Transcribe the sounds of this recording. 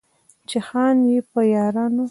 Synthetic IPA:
t͡ʃɪxɑnjepəjɑɾɑno

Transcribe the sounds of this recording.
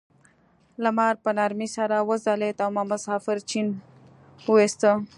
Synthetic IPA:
ləmɑːɾpənaɾmisaɾawəzalet̪awmaməsɑːfɪɾt͡ʃin | west̪ə

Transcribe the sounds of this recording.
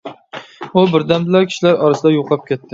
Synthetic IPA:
ʊbɪɾd̪ambɪlaɾkʲʰi̥ʃlaɾɒɾɪsɪd̪ajoqʰlˠɑp̚kʲet̪ʰːɪ

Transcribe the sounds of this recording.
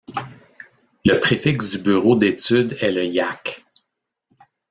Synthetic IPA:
ləpχefɪksd̪ybyːʁod̪et͡syd̪ɛləjak

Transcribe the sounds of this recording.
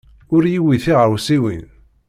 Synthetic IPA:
ʊɾjiwiθiʁəwsiwin

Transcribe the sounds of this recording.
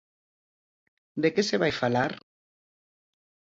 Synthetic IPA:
d̪ekeseβajfalaɾ

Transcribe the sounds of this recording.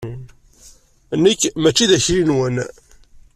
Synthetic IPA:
nːəkːmæt͡ʃːiðæçɾinwən

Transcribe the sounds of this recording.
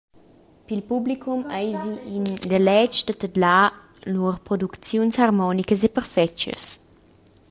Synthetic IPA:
pilpublikʰumajziːnd̪əlɛt͡ʃd̪ət̪əd̪la | luərpɾɔd̪ukt͡sjunsarmɔnikəs̬epərfɛt͡ʃə̰s

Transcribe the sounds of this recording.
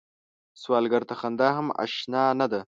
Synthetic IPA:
swɑːlɡaɾt̪axand̪ɑɦama̰ʃnɑnad̪a

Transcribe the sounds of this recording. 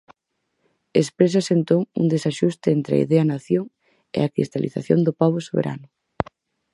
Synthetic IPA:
espɾes̬asent̪oŋṵnd̪esaʃust̪ɪent̪ɾeɐ̰ḭðeɐnaθjoŋ | ḛakɾḭst̪alḭθa̰θjo̰nd̪ʊpaβ̞ʊsoβḛɾa̰nʊ

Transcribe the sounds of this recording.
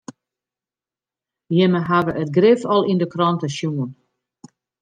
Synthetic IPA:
jɪməɦavəʔətɡrɪfɔlˠindəkrɔntəʃjuən

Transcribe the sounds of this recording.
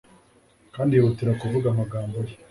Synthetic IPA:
kaːndijooteɾakuvuɡamaɡaːmboje

